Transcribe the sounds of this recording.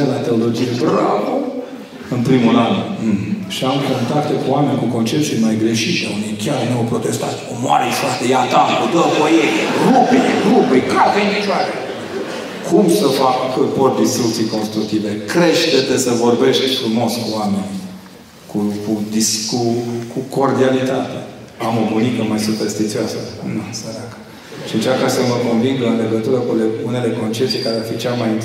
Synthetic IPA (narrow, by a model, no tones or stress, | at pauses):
elat̪e̞olo̞d͡ʒijevɾaku | ɨnpɾimuɾal | ʃiamko̞nt̪akt̪ekuame̞nʲkuko̞nt͡ʃep̚t̪silmajɡɾe̞ʃit̪ʲa̰unikʲarnowpɾo̞t̪e̞st̪at̪ʲkomoa̰ɾeiʃat̪ejat̪apod̪əvojerubirubijkakenit͡ʃaɾe | kʰumsəfakport̪̚d̪ist̪ɾukt̪sijko̞nst̪ɾuk̚t̪ivekɾeʃt̪et̪esəvo̞rbe̞ʃt̪ʲfɾumo̞skuamenʲ | kukud̪iskukuko̞rd̪ialit̪at̪e | amo̞bunikəmajsuperst̪it̪sioasənusəɾakə̥ | ʃiɨnt͡ʃakasəməkonviŋɡɨnle̞ɡət̪uɾəkuleune̞le̞ko̞nt͡ʃe̞p̚t̪ijkaɾearfit͡ʃemajint̪